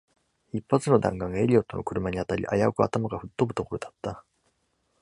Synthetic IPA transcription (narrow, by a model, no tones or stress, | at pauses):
ipːat͡sɨno̞d̪ã̰ŋɡãŋɡae̞ɾʲiot̪o̞no̞kɯ̟ɾɯ̟maɲ̟iat̪aɾʲḭʔa̰jaokɯ̟a̰t̪amaɡaɸɯ̟t̪ːobɯ̟t̪o̞ko̞ɾo̞d̪ḁt̪ːa